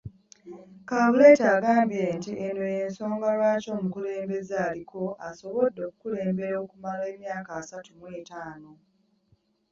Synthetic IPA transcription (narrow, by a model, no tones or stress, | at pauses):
kaːβuletaːɡaːmbjentiʔenojeːnso̞ːŋɡalwaːco̞ːmukule̞ːmbe̞zaːlikʰo̞aso̞βo̞dːo̞ːku̥kule̞ːmbe̞ɾoːkumale̞ːmjaːkaːsatumwe̞ːtaːno̞